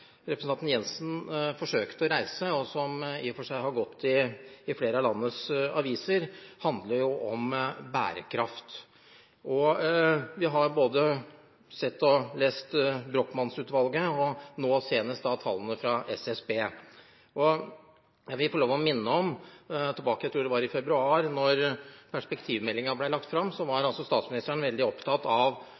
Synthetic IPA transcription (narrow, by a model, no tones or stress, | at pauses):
ɾɛpɾsnɑnt̪n̩jɛnsn̩fɔʂøːkt̪ɔɾæɪsəɔsɔmḭːfɔʂæɪɦɑɾɡɔt̪ʰːɪːfleːɾəəlɑnːəsɑʋiːsəɾhɑnd̪ləɾjʊʔɔmbæ̰ːɾə̰kʰɾɑft̪ | ʔɔ | ʋɪɦɑɾboːd̪ə | sɛt̪ːɔleːst̪bɾoːkmɑnsʉːt̪ʋɑlɡəɔnoːseːnəst̪ɑt̪ʰɑlːənəfɾɑɛsɛsbeː | ʔɔ | ʋɪlfɔɭoːʋɔmɪnːəɔmt̪ʰɪlbɑːkəjæɪt̪ʰɾuːɖ̪ɛʋɑɾɪfɛbɾʉɑːɾnɔɾpʰæʂpɛkt̪ʰiːʋmɛlːɪŋɑblæɪlɑk̚t̪fɾɑmːsɔʋɑɾɑlsɔst̪ɑːt̪smɪnɪst̪əɳnʋɛld̪ɪɔpt̪ʰɑt̪ɑʋ